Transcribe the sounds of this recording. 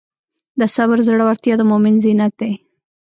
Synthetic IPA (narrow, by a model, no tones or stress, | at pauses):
d̪əsaβɾzɽəwaɾt̪jɑd̪əmomɪnzinak̪̚d̪e